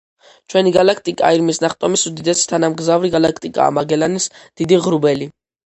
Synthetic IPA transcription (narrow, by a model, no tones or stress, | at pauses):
t͡ʃʰwɛniɡalak̚ʰt̪ʼikʼa̰iɾmisnaχt̪ʼɔmisud̪id̪ɛsi̥t̪ʰanamɡzavɾiɡalakʰt̪ʼikʼa̰ːmaɡɛlanisd̪̥id̪iʁɾubɛli